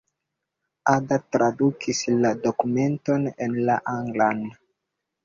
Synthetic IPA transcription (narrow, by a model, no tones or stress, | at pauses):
adatɾadukʰislado̞kume̞nto̞nenlaʔaŋɡlan